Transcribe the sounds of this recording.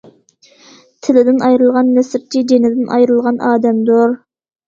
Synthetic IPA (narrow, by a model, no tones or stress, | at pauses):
t̪ʰɪlɪd̪ɪnɑjɾɨlˠʁɑnmɛsɪɾt͡ʃʰid͡ʒenɪd̪ɪnʔɑ̰jɾɨlˠʁɑnʔɑːd̪ɛmd̪ʊɾ